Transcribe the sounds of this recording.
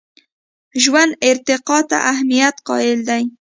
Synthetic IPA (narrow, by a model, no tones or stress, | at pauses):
ʒwand̪ɪɾt̪ɪqɑt̪a̰ʔahmijat̪qɑ̰ɪld̪aj